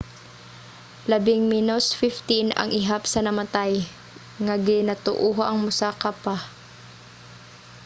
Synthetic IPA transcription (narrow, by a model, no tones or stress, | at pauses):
lɐbɪŋminosfɪft̪inɐ̰ŋʔɪɦapsɐnɐmɐt̪aj | ŋaɡɪnat̪ʊʔuɦaʔɐŋmʊsaːkapa